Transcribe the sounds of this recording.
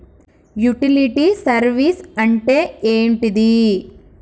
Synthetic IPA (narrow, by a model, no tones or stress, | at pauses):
juʈiliʈisɐɾʋisɐɳʈeeːɳʈid̪i